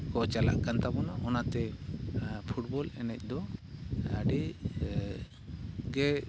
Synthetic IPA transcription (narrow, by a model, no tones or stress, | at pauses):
kɔt͡ʃala̰ʔkant̪abɔnɔʔɔnat̪ɛ | pʰuʈbɔlɛnɛc̚ˀd̪ɔ | aɖi | ɡɛ